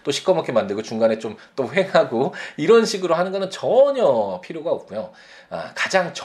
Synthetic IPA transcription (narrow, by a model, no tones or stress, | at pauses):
t͈oɕʰi̥k͈ʰʌmʌkʰemandɯɭɡot͡ɕuŋɡane̞t͡ɕomt͈oɸe̞ŋɦaɡoiɾʌnɕʰiɡɯɾoɦanɯnɡʌnɯnt͡ɕʌɲʌpʰiɾjoɡaop̚k͈ujo | a̰kad͡ʑaŋt͡ɕ